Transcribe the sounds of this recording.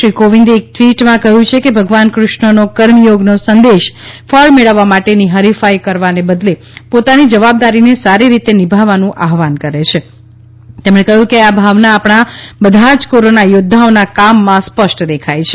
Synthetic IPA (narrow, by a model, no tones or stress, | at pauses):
ɾikoʋĩnd̪iek̚t̪ʋiʈmãkəɦjũt͡ʃʰekebʱəɡʋankɾʊʃɳənokəɾmjoɡnosənd̪eʃfʰəɭmeɭəʋːamaʈeniɦəɾifajkəɾʋanebəd̪le | pot̪anid͡ʒəʋab̚d̪aɾinesaɾiɾit̪enɪbʱaʋanũʔaɦʋankəɾet͡ʃʰe | t̪emɽ̃ẽkəɦjũkeabʱaʋnaːpɽ̃abəd̪ʱad͡ʒkoɾonajod̪ʱːaonakamːãspəʃʈd̪ekʰajt͡ʃʰe̥